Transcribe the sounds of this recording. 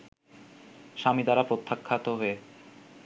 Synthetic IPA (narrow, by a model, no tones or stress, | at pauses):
ʃamid̪aɾapɾot̪ʰːakʰːat̪oɦoe